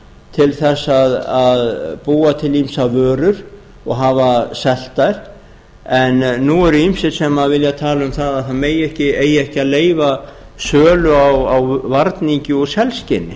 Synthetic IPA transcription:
t̪ʰɪlθɛsːaðaðpuːat̪ʰɪlimsavœːɾʏɾ | ɔɣɦaːvasɛl̥t̪ajɾ̥ | ɛnːuɛɾʏimsɪsɛmaðvɪljat̪ʰaːlʏmθaðaðθaðmeːjɛhcɪeːjɛhcɪaðleːjva | sœːlʏawawvaɾt̪niɲcɪɔɣsɛlscɪnːɪ

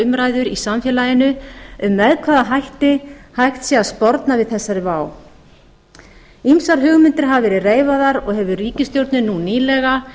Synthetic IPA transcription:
ʏmɾaːjðʏɾisamfjɛːlajɪnʏʏmːɛðkʰvaːðaɦajht̪ɪhajxt̪sjiaðspɔɾt̪navɪðθɛsːaɾɪvaːw | imsaɾ̥ɦʏːɣmɪnt̪ɪɾ̥ɦavvɛːɾɪreːjvaðaɾɔɣɦɛvʏriːcɪst̪jowɾt̪nɪnuniːlɛɣa

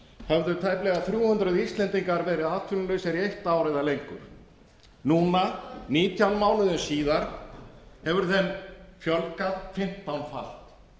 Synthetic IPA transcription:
hɛvðʏt̪ʰajplɛɣaθɾjuːhʏnt̪ɾaðist̪lɛnt̪iŋkaɾvɛːɾɪðaːðt̪ʰfʏlʏlœɥjsɛɾiejht̪aːwɾajðalejŋkʏɾ̥ | nuːnaniːt̪ʰjawnmaːwlʏðʏnsiːðaɾ̥ | hɛvʏɾθɛnːfjœlkaðfɪm̥t̪awnfa̰l̥t̪

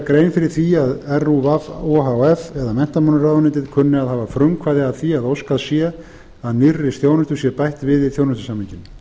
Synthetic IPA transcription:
kɾeːjnfɪɾɪɾ̥θiaðɛruvavoɦawɛfɛðamɛn̥t̪amanʏɾaðanɪt̪ɪðkʰʏnːɪaðhaːvafɾʏmkʰvaːðɪaðθiaðowskaðsjɛ | aðnɪrːɪst̪jownʏst̪ʏɾ̥sjɛpajht̪vɪðiθjownʏst̪ʏ̥samhɪcɪn

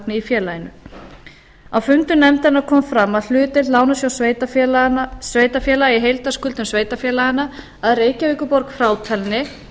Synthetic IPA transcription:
knɪifjɛːlajɪnʏ̰ | awfʏmt̪ʏnɛmt̪anakʰɔːmfɾamːaðl̥ʏːt̪ɪlaːwnasjawe | sveːjt̪afjɛːlajɪɦejlt̪askʏlt̪ʏmsveːjt̪afjɛːlajɪna | aðreːjcaviːkʏpɔɾkfɾaːwt̪ʰɛlnɪ

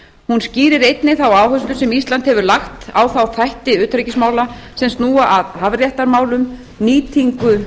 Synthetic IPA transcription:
hunsciːɾɪɾejt̪nɪθawaːwɦœst̪ʏsɛmist̪lant̪hɛvʏɾlaxt̪awθawθajht̪ɪʏːt̪ɾɛcɪsmaːwlasɛmst̪nuːaʔaðhavrjaht̪aɾmaːwlʏm | niːt̪ʰiŋkʏ

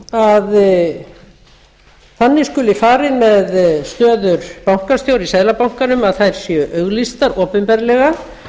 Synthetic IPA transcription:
að | θanːɪskʏlɪfaːɾɪmɛðst̪œːðʏɾpawŋ̥kast̪jowɾisɛðlapawŋ̥kanʏmaðθajɾ̥sjœʔœɣlist̪aɾɔːpɪmpɛɾlɛɣa

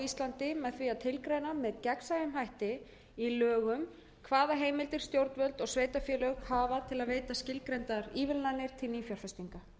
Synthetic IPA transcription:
ist̪lant̪ɪmɛðθviaðt̪ʰɪlkɾejnamɛðcɛksajɪmɦajht̪ɪ | ilœːɣʏm | kʰvaːðaɦeːjmɪlt̪ɪɾ̥st̪jowɾt̪vœlt̪ɔɣsveːjt̪afjɛːlœɣhaːvat̪ʰɪlaðveːjt̪ascɪlkɾejnt̪aðɾiːvɪlnanːɪɾ̥t̪ʰɪlniːfjaɾ̥fɛst̪iŋka

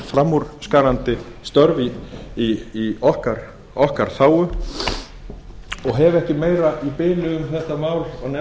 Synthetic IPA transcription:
fɾamːuɾskaːɾant̪ɪst̪œɾviː | ɔhkaɾ̥ | ɔhkaɾ̥θaːwʏ | ɔɣɦɛvɛhcɪmeːjɾaipɪːlʏɣʏmθɛht̪amaːwlɔɣnɛ

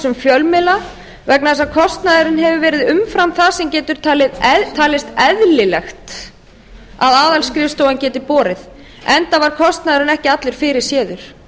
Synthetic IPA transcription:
sʏmfjœlmɪla | vɛknaθɛsakʰɔst̪naðɪɾɪnɦɛvʏvɛːɾɪðʏmfɾamθasɛmcɛːt̪ʏɾ̥t̪ʰaːlɪðt̪ʰaːlɪst̪ɛðlɪlɛxt̪ | a̰ðaːðalskɾɪfst̪owancɛːt̪ɪpɔːɾɪð | ɛnt̪avaɾ̥kʰɔst̪naðɪɾɪnɛhcɪat̪lɪɾ̥fɪɾɪɾ̥sjɛːðʏɾ̥

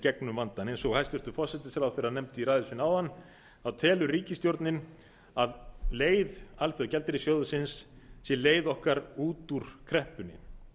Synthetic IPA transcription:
cɛknʏmvant̪anejnsɔɣhajst̪vɛɾ̥t̪ʏfɔr̥sɛt̪ɪsɛɾawθeɾanɛmt̪ɪiɾaːjðʏsvɪnawanː | θawt̪ʰɛːlʏɾriːcɪst̪jowɾt̪nɪn | aðleːjðalθiacɛlt̪ɪɾɪsjɔːðʏsɪns | sjɛleːjðɔhkaɾuːt̪uɾ̥kʰɾɛhpʏnːɪ̰

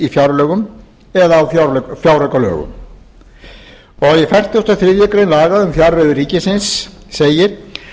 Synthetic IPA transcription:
ifjaɾlœːɣʏm | ɛðaːwfjawrœkalœ̰ːɣʏ̰m | ɔɣaðjɛfɛr̥t̪jost̪aθɾɪðjʏkɾejnlaːɣaðʏmfjawɾlœðʏriːcɪsɪnsːeːjɪɾ̥

